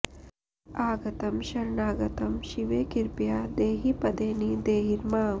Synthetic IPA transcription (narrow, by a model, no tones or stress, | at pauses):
aːɡɐt̪ɐmʃɐɾɳaːɡɐt̪ɐmʃiʋeːkiɾpjaːd̪eːɦipɐd̪eːnid̪eːɦiɾmaː